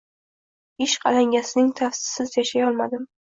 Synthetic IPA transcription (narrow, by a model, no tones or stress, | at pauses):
ɪʃqʰɑ̰laŋʲasɪnɪŋt̪ʰafsɪ̥sɪzjaʃajɒlˠmad̪ɪm